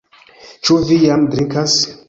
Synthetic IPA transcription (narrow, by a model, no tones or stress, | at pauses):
t͡ʃuvijamdɾikas